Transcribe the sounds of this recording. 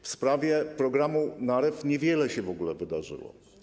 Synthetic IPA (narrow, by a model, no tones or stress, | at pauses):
fspɾavʲjɛpɾɔɡɾamunaɾɛfɲɛvʲjɛlɛɕɛvɔɡulɛvɘd̪aʐɘ̰wɔ̰